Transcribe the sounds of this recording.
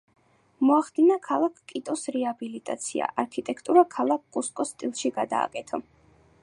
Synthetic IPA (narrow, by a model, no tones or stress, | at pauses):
mɔaχd̪inakʰalˠakʰkʼit̪ʼɔsɾɛabilit̪ʼa̰t̪sʰia̰ʔaɾkʰit̪ʼɛkʰt̪ʼuɾakʰalˠak̚ʰkʼuskʼɔst̪ʼilˠʃiɡad̪a̰ːkʼɛt̪ʰɔ